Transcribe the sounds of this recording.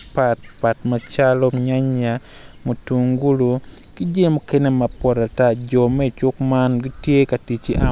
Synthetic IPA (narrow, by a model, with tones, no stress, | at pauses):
pat̚pa˨tma˦t͡ʃa˦lɔ˦ɲa˦ɲamo˨tu˨ŋɡu˦lu˨kɪ˦d͡ʒe˦mo˦ke˦ne˦ma˨pɔ˨ɾa˨ta˦d͡ʒɔ˨mɛ˦˨t͡ʃʊ˦kma˦nɡi˦tje˦ka˨ti˨t͡ʃi˦ʔa˦